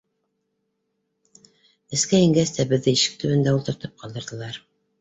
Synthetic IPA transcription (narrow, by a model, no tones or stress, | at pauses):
ɘ̆skæiŋɡæst̪æbɘ̆ðːɘiʃɘ̥k̚t̪ɵ̆βɘ̆nd̪æulˠt̪ɤ̆ɾt̪ɤp̚qʰɑlˠd̪ɤ̆ɾðɤ̆lˠɑɾ